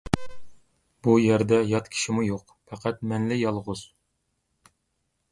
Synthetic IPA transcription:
bujæɾd̪ɛjɑt̪kʲʰi̥ʃimujoq | pʰæqʰæt̪̚mɛnlɪjɑlˠʁʊz̥

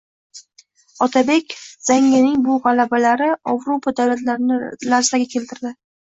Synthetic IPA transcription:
ɒt̪ʰabe̞kʲz̥aŋːʲɪnɪŋbʊʁɑlabalaɾɪavɾopʰad̪awlat̪laɾɪnɪlaɾzd̪aɡʲakʲʰe̞lt̪ɪɾd̪ɪ

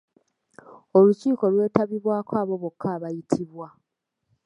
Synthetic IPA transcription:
o̞luciːko̞lwe̞ːtaβiβwaːkoaːβo̞βo̞kʰːaːβajitʰiβwa

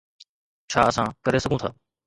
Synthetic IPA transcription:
t͡ʃʰaːəsãːkəɾeːsəɡʱũːt̪ʰaː

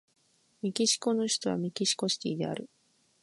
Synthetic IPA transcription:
mʲikʲiɕi̥ko̞no̞ɕi̥t̪o̞βa̰mʲikʲiɕi̥ko̞ɕi̥kʲḭːd̪e̞̰a̰ɾɯ̟

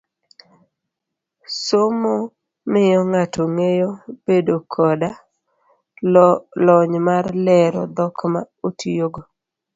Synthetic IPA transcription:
somo | mɪjɔŋatoŋejob̥edokʰɔda | lɔɲmarlɛɾɔ̰d̪ɔkma | otʰijoɡo

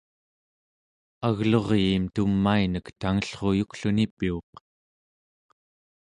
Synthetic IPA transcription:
aɣloʁjiːmt̪umːainəkt̪aŋəɬχo̞jukɬunipioq

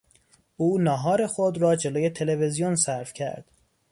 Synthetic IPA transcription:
ʔuːnɒːɦɒːɾe̞xod̪ɾɒːd͡ʒe̞loːje̞t̪ʰe̞leve̞zijonsæɾfcʰæ̰ɾd̪̥

